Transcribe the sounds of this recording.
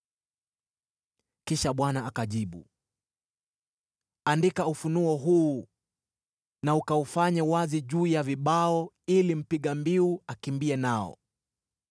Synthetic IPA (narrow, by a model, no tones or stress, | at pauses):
kiʃaɓwanaːkaʄiɓu | andikaufunuɔɦuː | naukaufaɲawaziʄuːjaviɓaɔ | ilim̩piɠambiuakimbiɛnaɔ̰